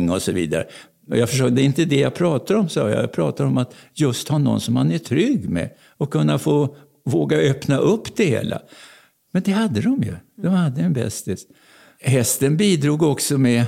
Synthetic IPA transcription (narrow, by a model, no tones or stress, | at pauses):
ŋːɔsɔviːd̪a̰ɾə̰ | ɔjɑfœʂ̬øːɡd̪ɛɪnt̪əd̪ɛjapʰɾɑːt̪ad̪ɔmsɑ̰ːja̰jpʰɾɑ̰ːt̪ad̪ɔmat̪jɵst̪hanɔ̰nsɔmhanæʈʰɾʏɡːmɛ̰ | ɔkʰːɵnːafoː | voːɡaøpnaʔɵpːd̪̥ɛhḛːlʔa̰ | mɛnd̪ɛɦad̪ːəd̪ɔmjɵ̰d̪ɔmhad̪ːəɛnbɛ̰st̪ɪs | ɦɛst̪ənbiːd̪ɾuːɡɔksɔmɛ